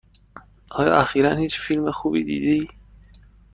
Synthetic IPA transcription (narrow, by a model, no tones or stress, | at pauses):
ʔɒːjɒ̰ːʔæxiːɾænhiːt͡ʃfilmexuːbḭːd̪ḭːd̪eiː